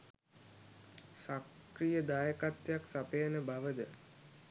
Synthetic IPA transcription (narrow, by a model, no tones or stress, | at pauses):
sakɾijəd̪aːjəkat̪jaksapejənəbaʋəd̪ə